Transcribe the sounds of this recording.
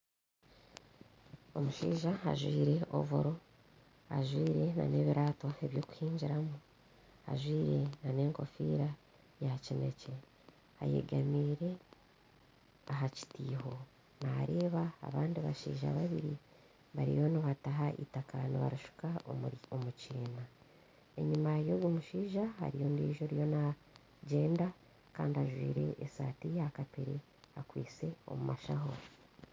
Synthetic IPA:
o̞muʃḭːʒaa̰ʒwiːɾe̞o̰voɾo̞ | a̰ʒwiːɾe̞na̰ne̞βiɾʔaːto̞e̞βjo̞ːku̥hiːɲɟiɾamu | a̰ʒwiːɾe̞nane̞ːŋko̞fḭːɾa | jacine̞ce̞ | a̰je̞̰ɡamiːɾe̞ | aɦaci̥tiːho̞ | naːɾe̞ːβa̰ːβaːndiβaʃḭːʒa̰βaβiɾi | βaɾḭjoniβataɦaʔḭtaka̰niβa̰ɾiʃu̥kaomuciːna | e̞ɲumaejo̞ɡwomuʃiːʒaha̰ɾijo̞niːʒo̞ɾijo̞na | ɟe̞ːnda | ka̰ːndiaʒwḭːɾe̞̰ʔesa̰ːtijaːkapeɾe | akwiːt͡se̞o̰mumaʃaɦoɾ

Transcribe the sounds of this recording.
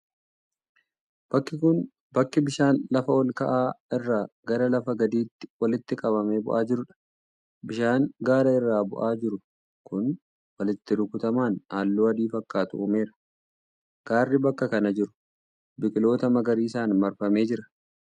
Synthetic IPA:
bɐkːɪkʊn | bɐkːɪbɪʃaːnlɐfɐɔlkɐʔaːɪrːaːɡ̥ɐɾɐlɐfɐɡɐd̪iːt̪ːɪ̥wɐlɪt̪ːɪkʼɐβɐme̞ːbʊ̰ʔaːd͡ʒɪɾʊᶑɐ̥ | bɪʃaːŋɡaːɾɐɪrːaːbʊ̰ʔaːd͡ʒɪɾʊ | kʊn | wɐlɪt̪ːɪɾʊkʊt̪ɐmaːnhaːlːoːɐd̪iːfɐkːaːt̪ʊʔʊːme̞ːɾɐ̥ | ɡ̥aːrːɪbɐkːɐkɐnɐd͡ʒɪɾʊ̥ | bɪkʼɪlo̞ːt̪ɐmɐɡɐɾiːɪsaːnmɐɾfɐme̞ːd͡ʒɪɾɐ̥

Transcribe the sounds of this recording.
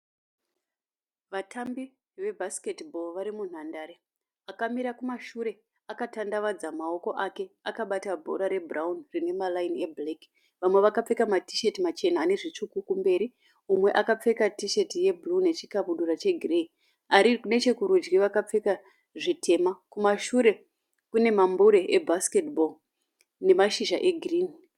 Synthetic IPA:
ʋatʰambi | ʋe̞bʱasi̥ketbʱo̞lʋaɾimun̤andaːɾe | akamiɾakumaʃuɾe̞ | akatandaʋad͡zamao̞ko̞ʔake̞akaɓatabʱo̞̰ɾaɾe̞braunrine̞malainieblek | ʋamwe̞ʋakap͡fe̞kamati̥ʃetimat͡ʃe̞nane̞ʐit͡ʂukukumbe̞ːɾi | umwe̞ʔakap͡fe̞katiʃe̞tije̞bʱulune̞t͡ʃikaβuɗurat͡ʃe̞ɡʱirei | aɾikune̞t͡ʃe̞kuɾud͡ʒɡiʋakap͡fe̞ka | ʐitʰe̞makumaʃuɾe̞ | kune̞mambuɾeʔebʱaske̞tbol | ne̞maʃiʒaʔe̞ɡʱriːn

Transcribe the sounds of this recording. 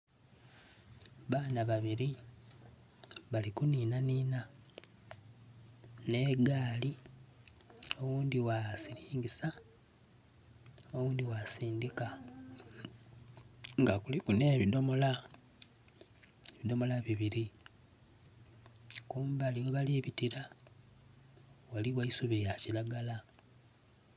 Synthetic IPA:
βaːnaβaβiɾi | βalikuniːnaniːna | ne̞ɡaːli | o̞wuːnd̪iwasiliːŋɡisa | o̞wuːnd̪iwasiːndika | ŋɡakulikune̞βido̞mo̞la | eβido̞mo̞laβiβiɾi | kuːmbaliweβaliβitiɾa | waliwaisuβejacilaɡala

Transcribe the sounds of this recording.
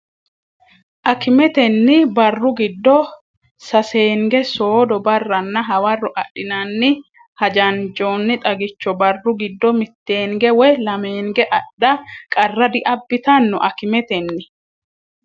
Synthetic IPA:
ʔɐkɪmɛt̪ɛnːɪbɐrːʊɡɪd̪ːɔ | sɐse̞ːŋɡɛsoːd̪ɔbɐrːɐnːɐɦɐwɐrːɔʔɐ̰ɗɪnɐnːɪ | hɐd͡ʒɐnd͡ʒoːnːɪt̪ʼɐɡɪt͡ʃːɔbɐrːʊɡɪd̪ːɔmɪt̪ːe̞ːŋɡɛwɛlɐmeːŋɡɛʔɐɗːɐkʼɐrːɐd̪ɪʔɐbːɪt̪ɐnːɔʔɐkɪmɛt̪ɛnːɪ

